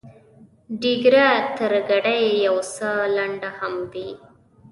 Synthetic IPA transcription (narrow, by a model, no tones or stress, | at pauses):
ɖiɡɾat̪əɾɡaɽajjawsəlaɳɖahamd̪i